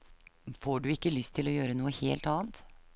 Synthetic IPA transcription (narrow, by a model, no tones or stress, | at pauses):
foːɖʉːɪkːəlʏst̪ʰɪlɔjøːɾənuːəhḛːlt̪ɑːnt̪